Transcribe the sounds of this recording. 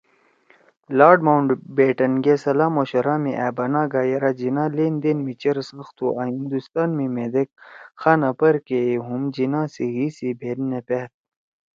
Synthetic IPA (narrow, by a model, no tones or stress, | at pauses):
laːɖmawɳɖbeːʈɐnɡesɐlaːmoɕɐɾaːmiʔɛːbɐnaːɡaːjɐɾad͡ʑinãːleːnd̪enmit͡ɕɐɾsɐxt̪uʔaːɦĩnd̪ust̪aːnmimed̪ek̚xaːnɐpɐɾkeeɦumd͡ʑinãːsiɦiːsibʱeːnnepet̪̚